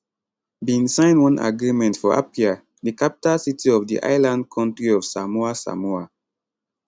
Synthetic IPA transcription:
bĩnsãɪ̃nwɔ̃nʔa̰ɡɹimɛ̃ntfɔʔa̰pia | dikapi̥talsitʰiɔvdḭʔa̰ɪlãnd̚kʰɔ̃ntɹiɔv̥samuasa̰mua

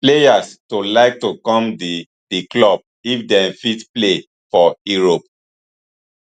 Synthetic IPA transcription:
plejastolaɪk̚tukɔ̃md | diklɔb̚ | ifdɛ̃mfitple | fɔjuɹop

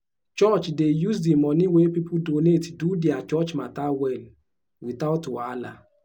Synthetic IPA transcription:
t͡ʃɔt͡ʃdejusdimɔ̃nĩwepipudonetdudeat͡ʃɔt͡ʃmatawɛl | wiθatwala̰

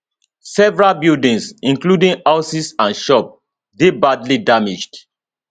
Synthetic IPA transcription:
sɛvɹalbildĩŋsĩŋkludĩŋaʊsisãnʃɔp̚ | debadlidamid͡ʒd̥

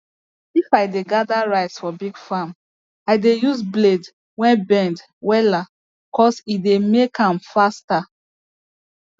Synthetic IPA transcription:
ifajdeɡadaɹaɪsfɔbiɡfãm | aɪdejuzbled | wɛ̃nbɛ̃nd | wɛla | kɔsidemekãmfasta

